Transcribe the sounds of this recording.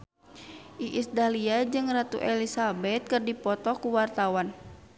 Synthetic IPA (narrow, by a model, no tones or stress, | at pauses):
ʔiʔisd̪aliad͡ʒɨŋrat̪ṵʔɛlisabɛt̪̚kɨrdipɔt̪ɔkuwart̪awan